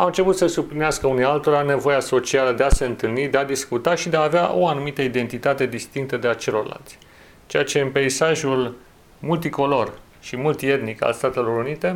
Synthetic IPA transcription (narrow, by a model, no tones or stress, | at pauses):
aɨnt͡ʃe̞put̪səsublineaskəunialt̪o̞ɾane̞vo̞jaso̞t͡ʃialəd̪e̞ase̞ɨnt̪ɨlnid̪e̞ad̪iskut̪aʃid̪eaːveaʔo̞anumit̪əid̪e̞nt̪it̪at̪e̞d̪ist̪iŋk̚t̪əd̪eat͡ʃe̞lo̞rla̰lt̪sʲ | t͡ʃejat͡ʃe̞ɨnpeisaʒul | mult̪iko̞lo̞r | ʃimult̪ie̞t̪nika̰lst̪at̪e̞lo̞ɾunit̪e̞